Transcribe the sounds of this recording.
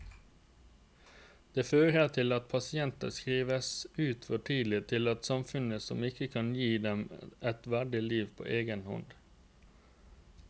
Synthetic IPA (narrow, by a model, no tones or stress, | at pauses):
d̪̥eːføːɾæːt̪ʰɪlɑt̪̚pʰɑsɪɛnt̪ɑ̰skɾiːʋəsʉːt̪fɔʈʰiːd̪l̩ɪt̪ʰɪlɑt̪sɑmfʉnəsɔmɪkəkʰɑnjiːd̪ɛmʔɛt̪ʋæɖɪliːʋpʰo̰ːʔeːɡənhɔ̰nd̪